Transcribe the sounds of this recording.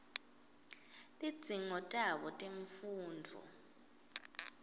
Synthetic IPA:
tʼid̥z̥ʱiŋɔtʼaɓɔtʼeɱfuːndʱɔ̰

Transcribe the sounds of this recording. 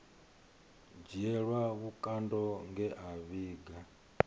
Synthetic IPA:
d͡ʒiɛɺwaβukʼandɔŋɡɛʔaβiːɡa

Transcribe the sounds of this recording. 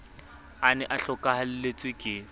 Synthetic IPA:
anɛʔaɬɔkʼahalɪlet͡sʼwɪkʼɪ

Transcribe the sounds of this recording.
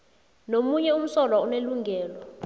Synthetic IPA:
nomuɲɛum̩sɔlauneluŋɡʱɛːlɔ

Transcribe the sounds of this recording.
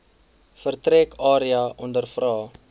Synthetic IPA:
fərtrɛkʰɑːɾiɐʔɔndərfrɑː

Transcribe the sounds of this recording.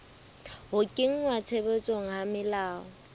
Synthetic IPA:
ɦʊkʼɪŋ̩ŋwat͡sʰebet͡sʼoŋ̩ɦamɪlaːɔ

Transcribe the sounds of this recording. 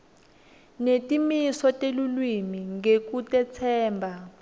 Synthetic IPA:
netʼimisɔtʼelulwimiŋɡek̬utʼɛt͡sʰɛːmbʱa

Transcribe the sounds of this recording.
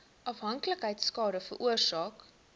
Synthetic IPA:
ʔɐfɦɐŋkləkɦəjtskɑːɾəfəɾʔuərsɑːk

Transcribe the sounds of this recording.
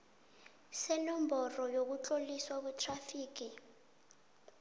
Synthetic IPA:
sɛlɔmbʱɔrɔjok̬ut͡ɬʼoliswaɓutʰrafiːk̬i

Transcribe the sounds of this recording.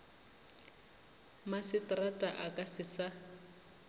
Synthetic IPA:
masɪtʼratʼaʔakʼasɪsa

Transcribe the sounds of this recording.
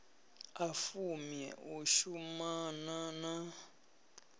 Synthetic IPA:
afumjɛ̰uʃumanana

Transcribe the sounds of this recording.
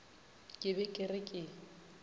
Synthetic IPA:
kʼɪbɛkʼɪrɪkʼɪ

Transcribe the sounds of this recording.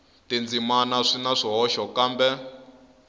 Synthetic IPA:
tind͡zimanaʂinaʂiɦɔʃɔkaːmbɛ

